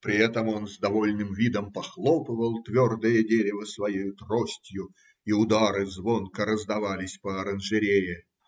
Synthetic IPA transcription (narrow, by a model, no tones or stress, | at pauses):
pɾʲɪɛt̪əmo̞nzd̪ɐvo̞lʲnɨmvʲid̪əmpɐxlˠopɨvəlˠt̪vʲord̪ɨjədʲeɾʲɪvəsvɐjejʊt̪rosʲtʲjʊ | iʊd̪aɾɨzvo̞nkəɾəzd̪ɐvalʲɪsʲpəɐɾənʐɨɾʲejɪ